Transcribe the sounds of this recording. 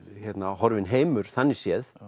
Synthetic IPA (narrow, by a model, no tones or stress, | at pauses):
çɛt̪nahɔɾvɪnɦeːjmʏɾ̥θanːisjɛð